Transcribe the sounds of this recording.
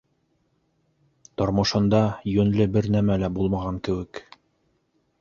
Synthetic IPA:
t̪ŏɾmɤ̆ʃɤ̆nd̪ɑjɵ̆nlɘbɘɾnæmælæbulˠmɑʁɑŋkɘ̆wɘk

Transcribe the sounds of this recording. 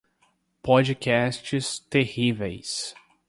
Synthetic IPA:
pɔd͡ʒikɛst͡ʃɪst̪ehivejs

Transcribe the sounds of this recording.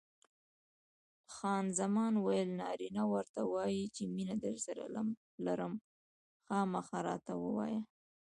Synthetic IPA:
xɑnzamɑnwajəlnɑ̰ɾinawəɾt̪awɑjit͡ʃeminad̪əɾsaɾa̰ | laɾəm | xɑmaxɑɾɑ̰t̪awəwɑ̰ja

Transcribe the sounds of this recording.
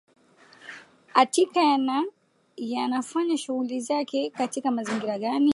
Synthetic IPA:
atikaana | janafaɲaʃuɣulizakɛkatikamaziŋɡiɾaɠani

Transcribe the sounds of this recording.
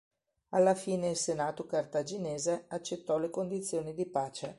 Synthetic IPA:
alːafiːneilsenaːt̪okart̪ad͡ʒineːzeat͡ʃːet̪ːɔlekond̪it̪sːjoːnid̪ipaːt͡ʃe

